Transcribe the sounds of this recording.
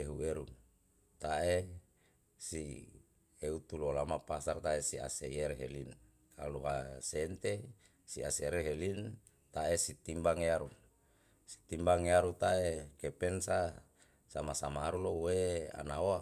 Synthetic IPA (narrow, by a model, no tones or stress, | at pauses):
eɦueɾu | t̪aʔe | si | eut̪ulolamapasart̪aesia̰sejeɾeɦḛlin | kaluɦasent̪e | sia̰seeɾeɦelin | t̪aesit̪imbaŋejaɾu | si̥t̪imbaŋeaɾut̪aekepensa | samasamaːɾulowea̰naoa